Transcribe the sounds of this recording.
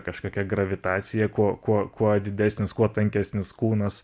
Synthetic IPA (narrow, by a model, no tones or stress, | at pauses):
kɐʃkoːkʲɛɡrɐʋʲɪt̪ɑːt͡s̪ʲɪjɛkuɔkuɔkuɔd̪ʲɪd̪ʲæːsʲnʲɪskuɔt̪ɐŋʲkʲæsʲnʲɪskuːnɐs